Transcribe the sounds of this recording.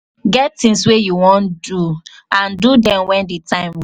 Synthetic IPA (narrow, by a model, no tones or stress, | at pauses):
ɡɛttĩŋs̬wejuwɔ̃ndu | ãndudɛ̃mwɛ̃ndetãɪ̃m